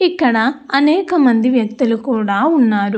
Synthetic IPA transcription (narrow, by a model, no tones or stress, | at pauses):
ikːɐɽɐɐnɛːkɐmɐnd̪iʋjɐk̚t̪ulukuːɽaːunːaːɾu